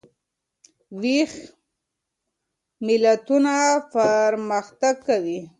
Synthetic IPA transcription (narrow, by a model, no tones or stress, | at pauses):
wix | mɪlat̪unapəɾməxt̪aɡkawi